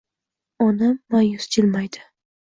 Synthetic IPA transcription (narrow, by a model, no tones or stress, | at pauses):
ɒnamːajʊsd͡ʒʰɪlmajd̪ɪ